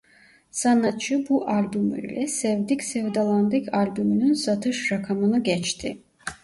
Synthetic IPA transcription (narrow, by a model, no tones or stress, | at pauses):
sanat̪t͡ʃʰɯbuʔalʲbymy̰lʲɛsɛvd̪icsɛvd̪alˠand̪ɯcʰalʲbymynynsat̪ʰɯʃɾakʰamɯnɯɟɛt͡ʃt̪ʰi